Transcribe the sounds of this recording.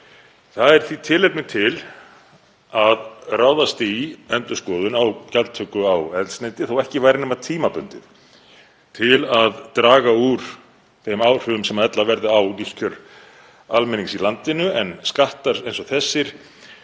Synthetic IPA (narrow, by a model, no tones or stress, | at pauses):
θaðɛɾ̥θit̪ʰɪlepnɪt̪ʰɪl | aðraːwðast̪ɪiɛnt̪ʏskɔːðʏnawcalt̪ʰœkʏawɛðlsnejnt̪ɪθawɛhcɪvajɾɪnʏmat̪ʰiːmapʏnt̪ɪð | t̪ʰɪlaðt̪ɾaːɣauɾ̥ | θejmaːwr̥ʏʏmsɛmaðɛt̪lavɛɾðʏaw̪iscʰœɾ | almɛniŋksilant̪ɪnʏɛnskaht̪aɾ̥ejnsɔθɛsːɪɾ̥